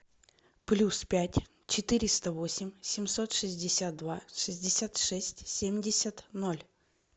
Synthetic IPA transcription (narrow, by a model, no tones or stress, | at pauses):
plʲuspʲætʲ | t͡ɕɪt̪ɨɾʲɪst̪əvo̞sʲɪmʲsʲɪmso̞t̪ʂɨzʲdʲɪsʲat̪̚d̪vaʂɨzʲdʲɪsʲat̪ʂɛsʲtʲsʲemʲdʲɪsʲət̪no̞lʲ